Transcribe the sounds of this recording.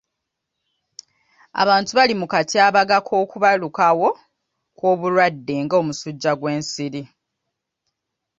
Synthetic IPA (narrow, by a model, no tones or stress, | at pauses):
a̰βaːntuβalimukatiaːβaɡakʰo̞ːkuβalukawo̞ | kwo̞ːβulwadːe̞ŋɡoːmusuɟːaɡwe̞ːnsiɾi